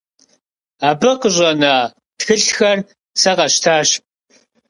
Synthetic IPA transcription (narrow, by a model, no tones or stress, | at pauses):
aːbɐqəʑʼɐnɐ | txɨɬxɐr | sɐqɐɕtʰaːɕp̚ʼ